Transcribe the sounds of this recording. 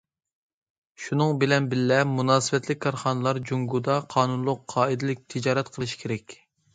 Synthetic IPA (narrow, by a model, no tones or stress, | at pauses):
ʃunɨŋbɪlɛnbɪlːɛmunɑːsɨvɛt̪lɪk̚ʲkːʰɑɾχɑːnɨlˠɑɾd͡ʒuŋɡud̪ɑqʰɑːnunlˠʊqʰːɑːid̪ɪlɪk̚ʲt̪ʰɪd͡ʒɑːɾɛt̪qʰəlˠɨʃi̥kʲʰeɾɛkʲ